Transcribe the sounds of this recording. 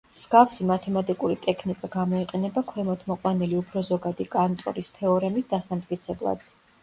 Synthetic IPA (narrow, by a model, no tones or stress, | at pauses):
mz̥ɡafsimat̪ʰɛmat̪ʼikʼuɾit̪ʼɛkʰnikʼaɡamɔiqʼɛnɛbakʰwɛmɔt̪ʰmɔqʼwaniliupʰɾɔzɔɡad̪ikʼant̪ʼɔ̰ɾist̪ʰɛɔɾɛmisd̪asamt̪̚ʼkʼit̪sʰɛblˠa̰d̪̥